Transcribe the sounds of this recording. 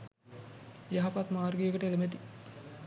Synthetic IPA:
jaɦapat̪maːrɡejəkəʈəeləmet̪i

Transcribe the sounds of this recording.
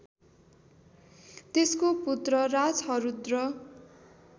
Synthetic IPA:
t̪eskoput̪rʌrad͡zʌɾud̪rʌ

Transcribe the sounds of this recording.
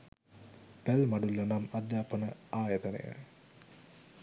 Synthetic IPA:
pælmaɖulːonamad̪jaːpənəaːjət̪ənḛjə̰

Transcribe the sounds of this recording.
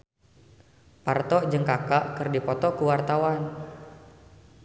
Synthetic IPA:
part̪ɔʔd͡ʒəŋkakaʔkɨrdipɔt̪ɔkuwart̪awan

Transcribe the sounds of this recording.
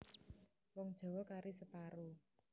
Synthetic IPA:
wɔŋd̥ʒ̥ɔ̤wɔkaɾʔisəpaɾu

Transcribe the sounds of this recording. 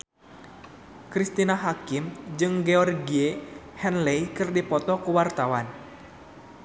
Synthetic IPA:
kɾist̪inaɦakimd͡ʒɨŋɡɛɔrɡiehɛnlɛjkɨrdipɔt̪ɔkuwart̪awan

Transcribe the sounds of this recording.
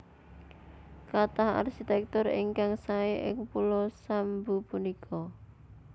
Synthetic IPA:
kat̪aha̰rkit̪ɛk̚t̪ʊrɪ̰ŋkaŋsaeʔɪ̰ŋpulɔsambupunikʰɔ

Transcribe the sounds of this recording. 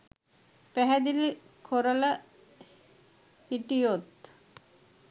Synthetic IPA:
pæɦæd̪ilkʰoɾələ | hiʈijot̪

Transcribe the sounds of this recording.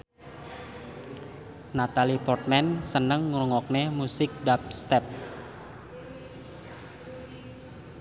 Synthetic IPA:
nat̪alipɔrt̪̚mɛnsənəŋːɾuŋɔk̚nemusɪk̚dap̚st̪ɛp̚

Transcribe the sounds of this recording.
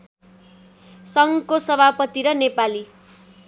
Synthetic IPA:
sʌŋkosʌbʱapʌt̪iɾʌnepali

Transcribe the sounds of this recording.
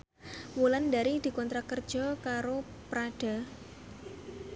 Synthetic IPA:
wulandaɾid̪̥i̤kɔnt̪ɾakərd̥ʒ̥ɔkaɾo | pɾaɖ̥a̤

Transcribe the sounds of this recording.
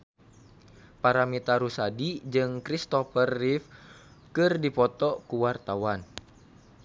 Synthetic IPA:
paɾamit̪aɾusadid͡ʒɨŋkɾist̪ɔfərːif | kɨrdipɔt̪ɔkuwart̪awan

